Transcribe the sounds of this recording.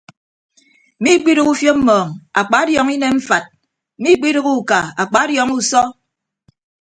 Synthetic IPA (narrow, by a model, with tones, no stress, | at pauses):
mi˦k͡pi˦ɾɨ˦ku˦fjo˦m̩˦mɔː˨ŋa̰˨k͡pa˨˦djɔ˨ŋi˦ne˦m̩˦fa˨t̩̚˨ | mi˦k͡pi˦ɾɨ˦ku˦˨ka˨a˨k͡pa˨˦djɔ˨ŋu˦sɔ˦